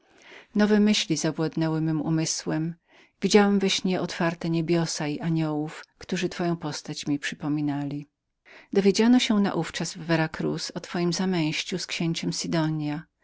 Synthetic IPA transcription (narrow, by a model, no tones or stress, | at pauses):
nɔvɛmɘɕlʲizabwad̪nɛwɘmɘmṵmɘswɛm | vʲid͡ʑawɛmvɛɕɲɛʔɔt̪faɾt̪ɛɲebʲjɔsaiʔaɲɔwufkt̪uʐɘt̪fɔjɔ̃w̃pɔst̪at͡ɕmʲipʂɘpɔmʲinalʲi | d̪ɔvʲjed͡ʑanɔɕɛna̰ʔuft͡ʂazvːɛɾakɾṵsɔt̪fɔjimzamɛ̃j̃ɕt͡ɕuskɕeɲt͡ɕɛmsid̪ɔɲja